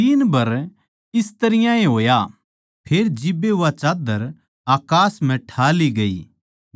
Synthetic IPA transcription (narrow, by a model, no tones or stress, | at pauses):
iːnbɐɾ | ɪst̪ɐɾɪjãeɦoːja | pʰeːɾd͡ʒɪbeɦʊʋat͡ʃaːd̪əɾ | aːkaːsm̤ɛ̃ʈʰaːliɡɐḭː